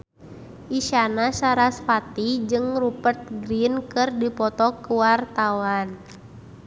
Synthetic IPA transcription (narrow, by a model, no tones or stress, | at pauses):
ʔiʃanasaɾasfat̪id͡ʒɨŋrupərt̪̚ɡɾinkɨrdipɔt̪ɔkəwart̪awan